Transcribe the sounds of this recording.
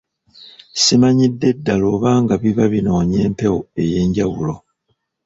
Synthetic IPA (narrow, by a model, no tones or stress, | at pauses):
simaɲidːe̞dːaloːβaːŋɡaβiβaβino̞ːɲe̞ːmpe̞woe̞je̞ːɲɟawulo̞